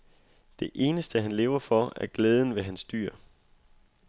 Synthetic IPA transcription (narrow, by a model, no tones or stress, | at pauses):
d̥e̝ʔe̝ːnəsd̥əɦænle̝ːʊɐfɒæɐɡ̥leːð̞ˠən̩ʋe̝ɦænsd̥y̰ɐ̰